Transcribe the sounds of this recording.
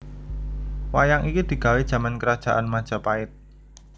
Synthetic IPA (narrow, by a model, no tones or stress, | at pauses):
wajaŋʔikid̪̥i̤ɡ̥a̤wedʒ̥a̤mankəɾad̥ʒ̥a̤ʔanmad̥ʒ̥a̤paɪt̪̚